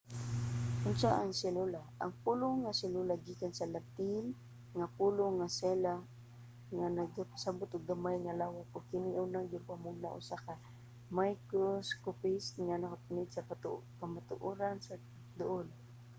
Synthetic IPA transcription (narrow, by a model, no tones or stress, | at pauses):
ʔʊnsaʔaŋsɛlulaʔa̰ŋpulʊŋasɛlulaɡikansalat̪il | ŋapulʊŋasɛla | ŋanaɡapḁsabʊt̪ʊɡ̚d̪amajŋalawat̪̚ʊɡkɪniʔʊnaŋɡʊɾpamʊɡ̚na̰ʔʊ̰saka | majkʊskʊpɪsŋanakapʊnɪd̪sakamat̪ʊʔuɾansa | d̪ʊʔʊl